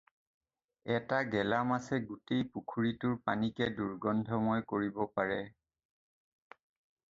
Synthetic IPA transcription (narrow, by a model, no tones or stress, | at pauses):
ɛtaɡɛlamasɛɡutejpukʰuɹitʊɹpanikɛduɹɡɔndʱɔmɔjkoɹibɔpaɹɛ